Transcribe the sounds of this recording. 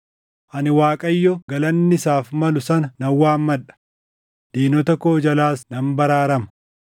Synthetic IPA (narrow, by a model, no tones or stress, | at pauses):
ʔɐnɪwaːkʼɐjːɔɡɐlɐnːɪɪsaːfmɐlʊsɐnɐnɐwːaːmmːɐᶑɐ̥ | d̪̥eːnɔt̪ɐkːoːd͡ʒɐlaːsnɐmbɐɾaːɾɐmɐ̥